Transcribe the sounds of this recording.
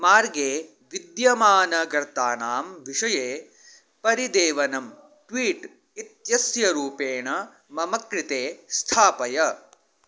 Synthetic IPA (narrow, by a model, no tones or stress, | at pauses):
maːɾɡeː | ʋid̪jɐmaːnɐɡɐɾt̪aːnaːmʋiʂɐjeː | pɐɾid̪eːʋɐnɐm | ʈʋiːʈ | it̪jɐsjɐɾuːpeːɳɐ | mɐmɐkɾit̪eːst̪ʰaːpɐjɐ